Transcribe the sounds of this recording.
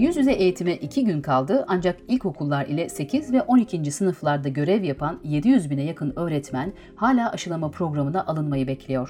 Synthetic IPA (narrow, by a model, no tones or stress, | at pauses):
jyzjyzɛʔejit̪ʰimɛʔicʰiɟynkʰalˠd̪ɯʔand͡ʒakilʲchokʰulˠːaɾḭlʲɛse̞cʰizvɛʔo̞nicʰind͡ʒisɯnɯflˠaɾd̪aɟø̞ɾɛvjapʰanje̞d̪ijyzbinɛjakʰɯnø̞ːɾɛt̪mæn | haːlʲaːʔaʃɯlˠamapɾo̞ɡɾamɯnaʔalˠɯnmajɯbɛcʰlʲejo̞ɾ̥